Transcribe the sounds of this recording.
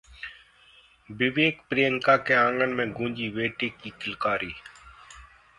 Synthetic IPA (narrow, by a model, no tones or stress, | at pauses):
bɪʋeːkpɾiːəŋkaːkeːãːŋɡənmẽːɡũːnd͡ʒiːʋeːʈeːkːiːkɪlkaːɾiː